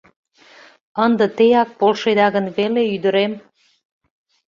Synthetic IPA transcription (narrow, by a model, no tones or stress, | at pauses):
ənd̪ə̆t̪ejɑk̚polʃed̪ɑɣənβeleyd̪əɾem